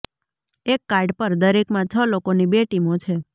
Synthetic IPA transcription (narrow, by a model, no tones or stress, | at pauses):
ekːaɾɖpəɾd̪əɾekmãt͡ʃʰəlokonibeʈimot͡ʃʰe